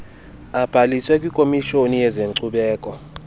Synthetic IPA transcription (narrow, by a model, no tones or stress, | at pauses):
ab̥ʱaliswɛkʼikʼomiʃonijɛzeŋǀʰuɓɛːkʼɔ